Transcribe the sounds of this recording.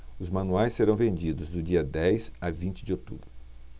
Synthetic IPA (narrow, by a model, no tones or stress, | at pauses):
ʊzmɐ̃nuajsːeɾɐ̃w̃vẽnd͡ʒid̪ʊzd̪ʊd͡ʒiɐd̪ɛjsavĩnt͡ʃɪd͡ʒɪot̪ṵbɾʊ